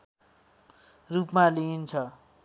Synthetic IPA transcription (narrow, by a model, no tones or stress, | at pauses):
rupmalint͡sʰʌ